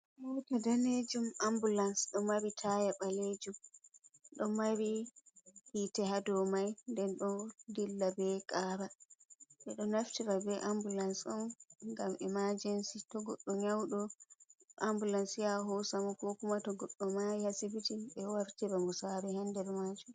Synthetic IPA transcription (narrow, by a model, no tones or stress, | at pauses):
wɔtadaned͡ʒumambulansɗɔmaɾitʰajaɓaled͡ʒum | ɗɔmaɾi | hiːtɛɦadɔmajndɛnɗɔdilːabɛkʼaːɾaɓɛɗɔnaftiɾabɛʔambulansɔmŋɡamʔɛmad͡ʒɛnsitɔɡɔ̰ɗːɔɲawɗɔ | ʔambulansjaɦɔsamukɔkumatɔɡɔɗːɔmajhasibitiɓɛwaɾtiɾamusaɾɛhandɛɾmad͡ʒum